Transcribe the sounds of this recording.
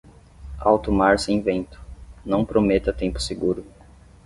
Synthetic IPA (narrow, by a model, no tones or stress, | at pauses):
a̰wt̪omaɾsẽj̃vẽnt̪ʊ̥nɐ̃w̃pɾomet̪ɐt̪ẽmpʊ̥seɡuɾʊ